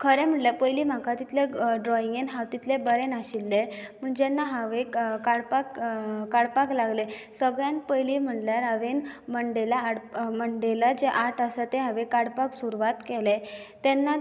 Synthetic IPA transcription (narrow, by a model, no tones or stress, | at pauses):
kʰəɾɛm̤əʈljapəjliːm̤akat̪it̪leɖɾɔiŋɡenɦaʋt̪it̪lebəɾenaɕilːemuɳd͡ʑɛnːaɦaʋekaɽpakkaɽpaklaɡlesəɡɭjanpəjlim̤əʈljaɾaʋenməɳɖelaːɽməɳɖelad͡ʑeʔaʈʰasat̪eɦaʋekaɽpaksuɾuʋat̪kɛlet̪ɛnːa